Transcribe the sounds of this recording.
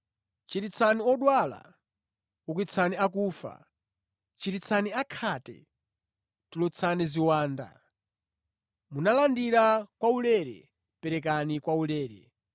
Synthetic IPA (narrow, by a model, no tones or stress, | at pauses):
t͡ʃiɾit͡sʰaniɔɗwala̰ | uk̬it͡sʰaniak̬uːfa̰ | t͡ʃiɾit͡sʰaniakʰatɛ̰ | tulɔt͡sʰaniziwaːnda̰ | munalandiɾakwaulɛɾɛ̰ | pɛɾɛk̬anikwaulɛːɾɛ̰